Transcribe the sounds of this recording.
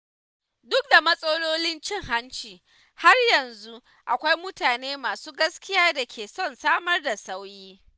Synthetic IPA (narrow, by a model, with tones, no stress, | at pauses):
dʊ˦k̚da˨mɐ˦sʼo˦loː˦lɪ˦nt͡ʃɪ˦ŋɦa˦nt͡ʃiː˨ | ha˦rjɐ˨nzu˦ | ʔa˨kʷa˦jmʊ˦taː˨neː˦maː˨suː˦ɡɐ˦skʲɪ˦jaː˦da˨kʲʰeː˨sɔ˦˨nsaː˦mɐ˦rda˨sa˦wjiː˦